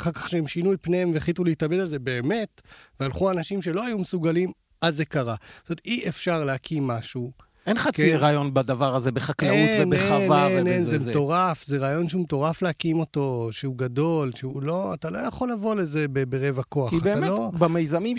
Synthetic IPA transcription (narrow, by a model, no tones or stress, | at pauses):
χalkḁχʃeemʃinujpneemveeχlituleitabed̪alze̞be̞ːme̞tvealχuanaʃimʃe̞lo̞ajumesuɡalim | azːekaʁatomet̪iefʃaʁleakʰimːaʃu | enχaeʁaːjo̞nbad̪avaʁazebeχaklauvenbeeavanenzemet̪o̞ʁafzeʁaːjo̞nʃeumet̪o̞ʁafleakimo̞to̞ʃeuɡad̪o̞lʃeulo̞at̪alo̞jaχo̞lːavo̞le̞zebebeʁevako̞aχibeːmelobamejzamim